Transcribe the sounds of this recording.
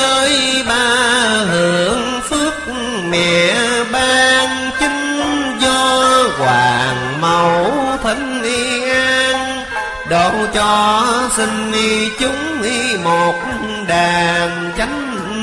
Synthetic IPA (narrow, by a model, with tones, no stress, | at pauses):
əː˧jɓaː˧hɨ˨˧˩əŋ | fɨ˦˥ək̚ | mɛ̰˨əɓaː˧ŋ | t͡ɕi˧˦ŋ̟zɔ˧kwaː˨˩ŋ | mə˨˩wt̪ʰə˧˩ŋ̟ʔi˧ʔaː˧ŋ | ɗo˨˧˩wt͡ɕɔ˧si˧ŋ̟ʔi˧t͡ɕʊ˨˦ŋ͡m | i˧mo˨˩t̚ | ɗaː˨˩m | t͡ɕa˨˦ŋ̟